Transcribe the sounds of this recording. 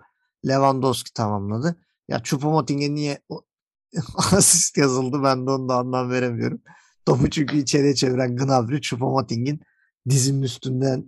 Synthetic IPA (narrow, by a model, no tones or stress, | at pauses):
lʲe̞vand̪oscʰi̥t̪ʰamamlˠad̪ɯ | ja̰t͡ʃʰupomot̪iɲɟinːijɛo | azist̪jazɯlˠd̪ɯbænd̪onund̪aːɯnd̪anve̞ɾemijo̞̰ɾum | d̪̥oput͡ʃʰyɲcyːt͡ʃʰe̞ɾijɛt͡ʃʰe̞viɾænɡɯnavɾyt͡ʃʰupomot̪ʰiɲɟin | d̪izimːyst̪ʰynd̪æn